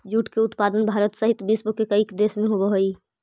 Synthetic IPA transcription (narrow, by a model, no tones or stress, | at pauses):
d͡ʒuːʈkeʊt̪paːd̪ənbʱaːɾət̪səɦɪt̪bisbokekəikd̪eːsmẽɦobəɦoi